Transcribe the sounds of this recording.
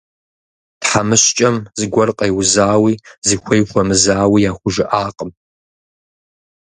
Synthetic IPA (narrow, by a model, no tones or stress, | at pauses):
tħamɨɕt͡ʃʼɐmzɨɡʷɐrqʼɐjwzaːwiːzixʷɐjxʷɔmɨzaːwiːjaːxʷʊʒɪʔaːqʼəm